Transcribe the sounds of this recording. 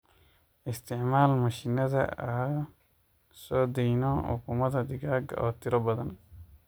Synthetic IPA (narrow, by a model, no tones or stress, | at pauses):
ʔɪst̪ʰɪʕmaːlmɐʃɪnɐðɐ̰ɐ | sɔːd̪ɛjnɔʊ̰kumɐd̪ɐd̪ɪɡaːɡɔ̰ːt̪ʰɪɾɔbɐðɐn